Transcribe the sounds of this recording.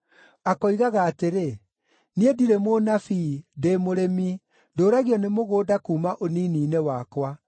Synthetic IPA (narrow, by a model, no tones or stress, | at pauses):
akɔiɣaɣaːteɾe | niediɾemonafidemoɾemi | ndoːɾaɣiɔnemoɣoːdakuːmaʔoniːniːnewaːkwa